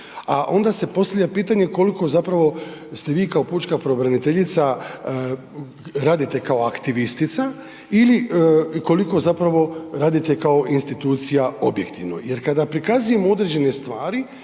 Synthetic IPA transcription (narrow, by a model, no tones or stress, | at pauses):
aʔo̞nd̪ase̞po̞st̪avʎapiːt̪aɲe̞ko̞liko̞zapɾaʋo̞st̪eʋiːkao̞put͡ʃkapɾo̞bɾanit̪eʎit̪sa | ɾaːd̪it̪e̞kaoakt̪iʋist̪it̪sa | iliko̞liko̞zapɾaʋo̞ɾaːd̪it̪e̞kao̞ʔinst̪it̪uːt̪sijao̞bjekt̪iʋno̰je̞ɾkad̪apɾikazuje̞moo̞d̪ɾed͡ʑe̞nest̪ʋaːɾi